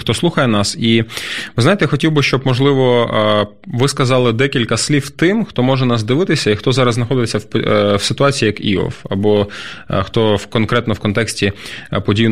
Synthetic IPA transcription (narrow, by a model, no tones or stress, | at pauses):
xt̪ɔslˠuxɐjɛnɑsiʋɪznɑjet̪ɛxɔtʲiwbɪʃt͡ʃɔbmɔʒlˠɪʋɔ | ʋɪskɐzɑlˠɪd̪ɛkʲilʲkɐslʲiwt̪ɪmxt̪ɔmɔʒɛnɑsd̪ɪʋɪt̪ɪsʲɐixt̪ɔzɑɾɐzznɐxɔd̪ɪt͡sʲːɐwwsɪt̪ʊɑt͡sʲijiːjɐkḭɔ̰fɐ̰bɔxt̪ɔwkɔnkɾɛt̪nɔwkɔnt̪ɛksʲtʲipɔdʲijwn